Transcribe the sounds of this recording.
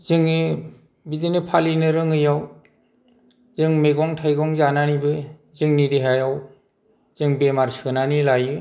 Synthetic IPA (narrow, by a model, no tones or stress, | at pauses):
zɯŋi | bidinɯpʰalinɯɾɯŋɯjaw | zɯŋmeɡɔŋtʰajɡɔŋzananibɯ | zɯŋnidiɦajaw | z̥ɯŋbemaɾsɯnanilajɯ